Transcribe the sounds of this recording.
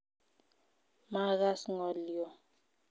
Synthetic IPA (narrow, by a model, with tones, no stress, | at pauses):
ma˦ɣa˦sŋɔ˨ljɔ˨